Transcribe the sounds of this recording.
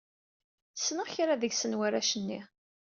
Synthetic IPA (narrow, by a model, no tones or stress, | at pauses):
ə̥sːnəʁçɾaðəʝsənwaɾæʃənːi